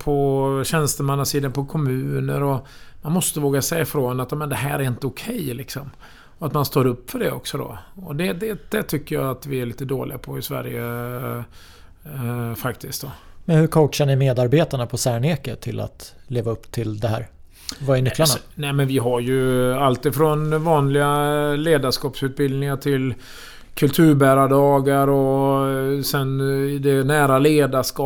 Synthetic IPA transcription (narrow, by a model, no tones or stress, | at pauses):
pʰɔɕɛnst̪əmanːasiːd̪anpʰɔkʰɔmʉ̟ːnəɾɔ | manmɔst̪əvoːɡasɛjːaɪfɾonat̪jaːmɛnd̪ɛɦæ̰ːɾæɾɪnt̪əʊkʰɛjlɪksɔm | ɔat̪manst̪oːɾɵpːfœɖɛɔ̰ksɔd̪ɔ̰ɔd̪ɛd̪ɛd̪̥ɛt̪ʰʏkːəjaat̪vɪæɭiːt̪əd̪o̰ːlɪɡapʰɔɪsvæ̰ɾjə | fakt̪ʰɪsk̚t̪̚d̪ɔmɛnhɵɾkʰowʈʂaɳɪmeːd̪aɾbeːt̪aɳapʰɔsæːɳeːkət̪ʰɪlʔa̰t̪leːvaɵpːt̪ʰɪld̪ɛɦæ̰ːɾ | vaɛnʏklaɳanɛmɛnvɪɦaɾjɵalt̪ɪfɾɔnvɑːnlɪɡaleːd̪aʂkɑːpsʉ̟ːt̪̚bɪld̪nɪŋaʈʰɪl | kʰɵlt̪ʰʉ̟ːɾbæːɾaɖɑːɡaɾɔ | sɛnɪd̪ɛnæːɾaleːd̪aʂkɑ